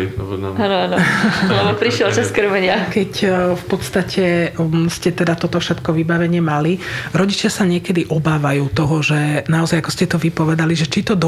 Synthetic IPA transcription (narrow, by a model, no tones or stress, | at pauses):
anɔanɔlɛbɔpɾiʃɪɛlt͡ʃaskr̩mɛɲɪakɛcfpɔt̪st̪acʰɛscɛt̪ɛd̪at̪ɔt̪ɔfʃɛt̪kɔʋibaʋɛɲɪɛmaliɾɔɟit͡ʃɪasaɲɪɛkɛd̪iʔɔbaːʋajuːt̪ɔɦɔʒɛnaɔzajakɔscɛt̪ɔʋipɔʋɛd̪aliʒɛt͡ʃit̪ɔd̪